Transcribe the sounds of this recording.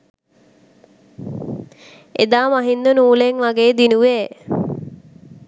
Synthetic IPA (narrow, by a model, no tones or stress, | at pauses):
ed̪aːmaɦind̪ənuːleŋʋaɡeːd̪inuʋeː